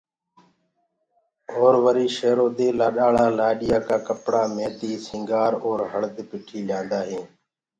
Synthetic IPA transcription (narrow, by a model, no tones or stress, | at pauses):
oːɾʋəɾiːʃeːɾoːd̪eːlaːɗaːɭãːlaːɗɪjaːkaːkəpɽaːmeːt̪iːsɪ̃ːŋɡaːɾoːɾɦəɭd̪pɪʈʰiːljãːnd̪aːɦẽː